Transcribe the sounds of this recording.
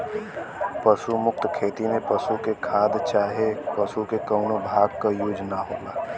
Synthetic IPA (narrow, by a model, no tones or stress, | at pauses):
pəʃumʊk̚t̪kʰeːt̪imẽpəʃukekʰaːd̪t͡ʃaːɦepɐʃukekəːnobʱaːɡkajuːd͡ʒnaɦoːlaː